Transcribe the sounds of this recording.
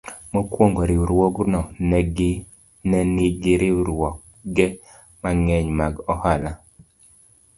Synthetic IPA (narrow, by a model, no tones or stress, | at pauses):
mokwoŋɡoɾɪuɾwoɡnɔnɛɡ | nɛnɪɡɪɾɪɾwɔk | ɡɛ | maŋɛɲmaɡɔhala